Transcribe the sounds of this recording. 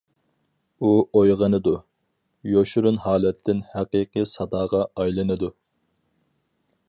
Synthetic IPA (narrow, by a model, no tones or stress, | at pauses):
uojʁənɨd̪u | joʃuɾunhɑːlɛt̪ʰːɪnhæqiːqəsɑd̪ɑːʁɑɑjlˠɨnɨd̪u